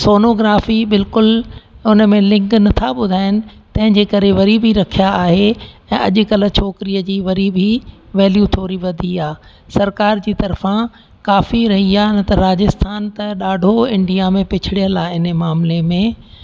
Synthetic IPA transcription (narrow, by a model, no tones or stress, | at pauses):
soːnoːɡɾaːfibɪlkʊlʊnəmẽlɪ̃ŋknɐt̪ʰaɓʊd̪ʱaːɪnɪ̆t̪ɐ̃ɦɪ̃ɲd͡ʑeːkɐɾeʋɐɾibʱiɾɐkʰijaːɦeɛ̃ːɐ̰ʄʊ̆kɐlə̆t͡ɕʰoːkɪɾiəd͡ʑiːʋɐɾibʱiʋɛːljut̪ʰoːɾiʋɐd̪ʱiaː | sɐɾkaːɾd͡ʑiːt̪ɐɾfã | kaːfiɾɐɦiaːnɐt̪ɐɾaːd͡ʑɪst̪ʰaːnt̪ɐɗaːɖʱoɪ̃ɳɖijamẽpɪt͡ɕʰɪɽijəlaːɪnemaːmlemẽ